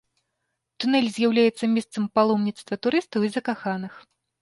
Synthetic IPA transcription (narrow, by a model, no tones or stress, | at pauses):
t̪unɛlʲzʲjawlʲajɛt̪sːɐmʲɛst̪sɐmpalˠɔmnʲit̪st̪vɐt̪uɾɨst̪ɐwizɐkaxanɨx